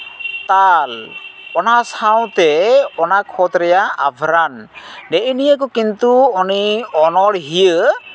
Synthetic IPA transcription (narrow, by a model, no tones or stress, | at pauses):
t̪alɔnasaw̃t̪ɛɔnakʰɔt̪ɾɛjaa̰bʱɾanɖɛʔinijək̬ɔkint̪uɔniɔnɔɽɦijə